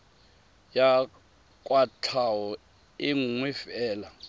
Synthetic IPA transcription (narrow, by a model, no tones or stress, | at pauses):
ja | kʼwatʰawɔ | iŋŋwifɛːla